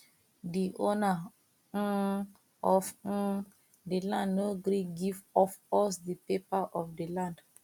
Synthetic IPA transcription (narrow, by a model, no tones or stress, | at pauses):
diʔona | ɔf̩ | dilãndnoɡɾikɡivɔfɔsdəpepaʔɔfdəlãnd